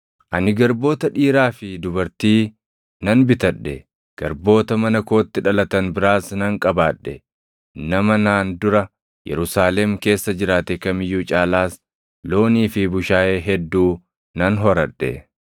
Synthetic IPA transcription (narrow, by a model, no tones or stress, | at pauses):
ʔɐnɪɡɐɾbo̞ːt̪ɐᶑiːɾaːfɪd̪ʊbɐɾt̪iː | nɐnbɪt̪ɐᶑːɛ̰ | ɡ̥ɐɾbo̞ːt̪ɐmɐnɐko̞ːt̪ːɪᶑɐlɐt̪ɐnbɪɾaːsnɐŋkʼɐbaːᶑːɛ̰ | nɐmɐnaːnd̪ʊɾɐ | jɛ̰ɾʊsaːlɛmke̞ːsːɐd͡ʒɪɾaːt̪ɛkɐmɪjːuːt͡ʃʼaːlaːs | lo̞ːniːfɪbʊʃaːʔeːɦɛd̪ːuː | nɐnɦɔɾɐᶑːɛ̰